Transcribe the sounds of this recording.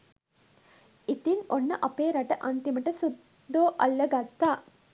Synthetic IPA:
it̪inonːɐʔɐpeːɾɐʈəʔɐnt̪imɐʈəsud̪ː | oːʔɐlːɐɡɐt̪ːaː

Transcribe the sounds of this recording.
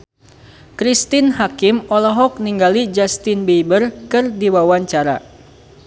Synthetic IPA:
kɾist̪ɪnhakɪmɔlɔɦɔk̚niŋɡalid͡ʒast̪ɪnbeibərkɨrdiwawaɲt͡ʃaɾa̰

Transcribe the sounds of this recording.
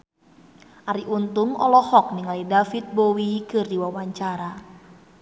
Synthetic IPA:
ʔaɾiʔunt̪ʊŋɔ̰lɔhɔk̚niŋalidafit̪̚bowikɨrdiwawaɲt͡ʃaɾa

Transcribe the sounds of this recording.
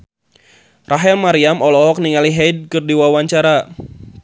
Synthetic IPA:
raɦɛlmaɾiamɔlɔɦɔk̚niŋaliɦɛd̚kɨrdiwawaɲt͡ʃaɾa

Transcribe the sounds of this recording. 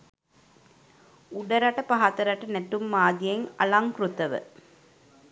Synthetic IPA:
uɖɐɾɐʈəpaɦat̪ɐɾɐʈənæʈumːaːd̪ijeŋɐ̰laŋkɾut̪ɐʋə̰

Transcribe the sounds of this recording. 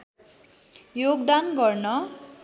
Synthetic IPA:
joɡd̪anɡʌrnʌ

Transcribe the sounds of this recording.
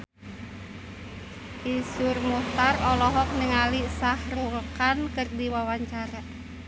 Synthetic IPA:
ʔisurmuht̪arɔlɔɦɔk̚nəŋalisahrulkankɨrdiwawaɲt͡ʃaɾa

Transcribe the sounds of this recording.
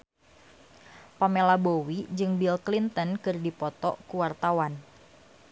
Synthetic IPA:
pamelabowid͡ʒɨŋbilklint̪ənkɨrdipɔt̪ɔ̰ʔkuwart̪awan

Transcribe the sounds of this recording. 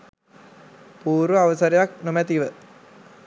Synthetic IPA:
puːɾʋəaʋəsəɾejaknomæt̪iʋə

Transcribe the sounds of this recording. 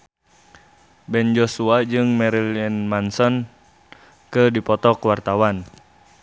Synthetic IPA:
bɛnd͡ʒɔsuad͡ʒɨŋmɛɾiliɛnmansɔn | kɨdipɔt̪ɔkwart̪awan

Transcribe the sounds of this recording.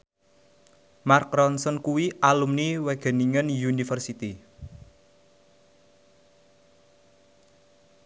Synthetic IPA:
markɾɔnsɔnkuwiʔalumniweɡ̥ɛ̤niŋənjunifərsit̪i

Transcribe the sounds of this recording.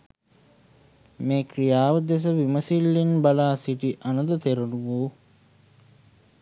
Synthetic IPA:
meːkɾijaːʋəd̪es̬əʋiməsilːinbalaːsiʈiʔanəd̪ət̪eɾunuʋoː

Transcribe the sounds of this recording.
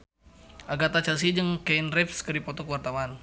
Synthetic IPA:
ʔaɡat̪at͡ʃas̬id͡ʒəŋkɛinrɛpskəɾipɔt̪ɔkəwart̪aman

